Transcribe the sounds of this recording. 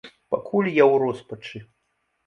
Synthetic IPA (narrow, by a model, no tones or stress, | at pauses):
pakʰulʲjawɾɔspɐt͡ʂɨ